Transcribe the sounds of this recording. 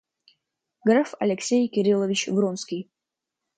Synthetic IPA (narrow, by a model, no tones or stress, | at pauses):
ɡɾafɐ̰lʲɪksʲejkʲɪɾʲilˠəvʲɪt͡ɕvɾonskʲij